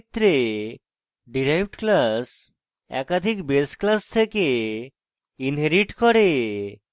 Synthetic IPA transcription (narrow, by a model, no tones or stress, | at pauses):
t̪ːɾe | ɖiɾajbʈklas | ɛ̰kad̪ʱikbesklast̪ʰeke | inɦeɾiʈkɔɾe